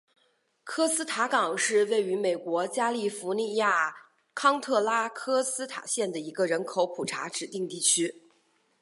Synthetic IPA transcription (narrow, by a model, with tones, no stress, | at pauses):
kʰɤ˥sɹ̩˥t̪ʰa˧˥kɑ˨˩ŋʂɻ̩˥˧we˥˩ɪy˧˥me˨˩ɪkwɔ˧˥t͡ɕja˥li˥˩fu˧˥ni˥˧ja˥˩ | kʰɑ˥ŋt̪ʰɤ˥˩la˥kʰɤ˥sɹ̩˥t̪ʰa̰˨˩ɕjɛ˥˩nd̪ə˩i˧˥ɡə˧ɻə˧˥nkʰo˧˥ʊpʰu˨˩ʈ͡ʂʰa̰˧˥ʈ͡ʂɻ̩˨˩t̪i˥˧ŋt̪i˥˩t͡ɕʰy˥